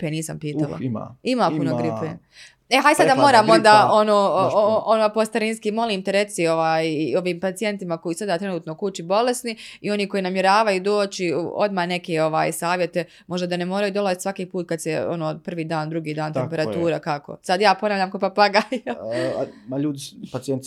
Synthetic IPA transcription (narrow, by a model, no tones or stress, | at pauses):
peniːsa̰mpiːt̪alˠa̰ma̰imaːpunoɡipe | eɦajsad̪ammo̞ːɾaːmo̞nd̪aːo̞noːonopost̪aɾinskimo̞liːmt̪ɛɾe̞t̪sio̞ʋaːjio̞ʋiːmpat̪ie̞nt̪imako̞jisad̪at̪ɾe̞nuːt̪no̞kut͡ʃibo̞le̞sniio̞niko̞jinamje̞ɾaːʋajud̪oːt͡ʃḭo̞d̪mane̞keo̞ʋa̰ːjsaːʋje̞t̪e̞ | mo̞ʒd̪ad̪anemo̞ːɾajuːd̪o̞lˠazit̪sʋakiːpuːt̪̚kad̪seo̞̰noːpr̩ʋiːd̪aːnd̪ɾuɡiːd̪aːnt̪empe̞ɾat̪uːɾakako̰sad̪jaːponaːʋlʲʎaːmkopapaɡal | maʎuːd̪ipat̪sijent̪